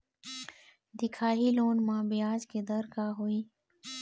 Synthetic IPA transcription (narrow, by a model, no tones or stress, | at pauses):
d̪ɪkʰaːɦiloːnmãːbijaːzked̪əɾkaːɦoːiː